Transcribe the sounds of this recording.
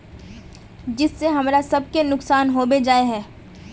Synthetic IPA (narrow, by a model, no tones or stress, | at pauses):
d͡ʒɪsːeɦɐmɾasɐb̚kenʊksaːnɦoːbed͡ʒaːeɦɛː